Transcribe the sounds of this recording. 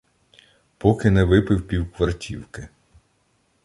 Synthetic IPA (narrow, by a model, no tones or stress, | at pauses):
pɔkɪnɛʋɪpɪwpʲiwkʋɐrtʲʰiwkɪ